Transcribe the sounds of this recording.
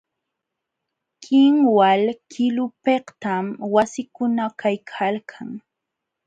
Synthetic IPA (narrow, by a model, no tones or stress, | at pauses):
kɪŋwalkʰɪlʊpeht̪amwasɪkʊnakajkʰalkʰaŋ